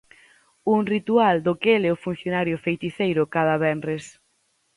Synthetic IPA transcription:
uŋrit̪uald̪ʊkeleʊfun̟θjonaɾjʊfejt̪iθejɾʊkað̞aβɛnres

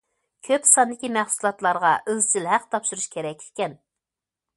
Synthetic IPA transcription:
kʲʰøpsɑnd̪ɪkʲimæχsulˠɑt̪lˠɑɾʁɑʔøzt͡ʃʰilɦæqt̪ʰɑpʃuɾuʃkʲʰeɾɛkʲɪ̥kʲɛn

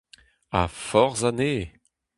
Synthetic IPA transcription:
a̰fɔʁzaneː

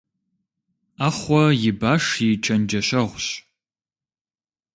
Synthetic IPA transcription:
aːχʷɔjɪbaːʂit͡ʃʰɐnd͡ʒɐɕɐʁʷɕ

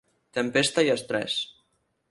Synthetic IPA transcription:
t̪əmpest̪aiəst̪ɾɛ̰s

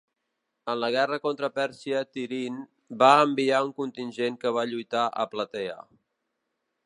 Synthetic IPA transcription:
ənləɣ̞ɛrəkont̪ɾəpɛɾsiət̪iɾin | baəmbiauŋkunt̪inʲʒeŋkəβ̞aʎujt̪aʔə̰plət̪ɛə̰

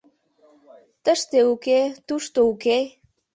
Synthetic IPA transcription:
t̪əʃt̪euket̪uʂt̪ouke

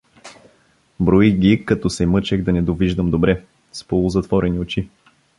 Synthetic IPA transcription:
bɾoiɡʲikɐt̪ɔsɛmɤt͡ʃɛɣd̪ɐnɛd̪oviʒd̪əmd̪obɾɛ | spolˠʊzɐt̪vɔɾɛniot͡ʃi

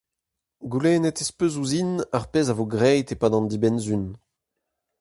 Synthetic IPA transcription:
ɡulɛːnetespøzuzinaʁpezavoɡʁɛjtepaːdɑ̃nd̪ibɛnzyn

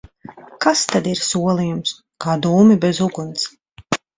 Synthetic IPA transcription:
kast̪ad̪iɾsuɔlˠijums | kaːd̪uːmibɛzuɡuns

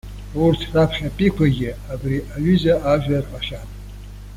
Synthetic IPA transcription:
urtʰrapʰχʲapʼikʷʰaɡʲɪabriʔaɥʏzaʔaʒᶣʷarqʼaʃatʼ

